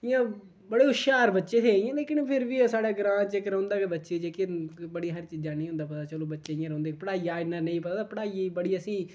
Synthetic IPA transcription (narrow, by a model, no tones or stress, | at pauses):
ɪjãː | bəɽeːʊʃaːɾbətːʃeːt̪ʰeːɪ̃jãːleːkɪnpʰɪɾʋiːsaːɽeːɡɾãːt͡ʃekɾə̃ʊ̃nd̪aːkebətːʃeːd͡ʒeːkɪbəɽiːɦəɾt͡ʃiːd͡ʒaːnẽːõnd̪aːpət̪aːt͡ʃəloːbətːʃeːɪjãːɾõːnd̪eːkpəɽaːiːaːɪɖnənə̃ĩːpət̪aːd̪aːpəɽaːiːbəɽiːəsĩː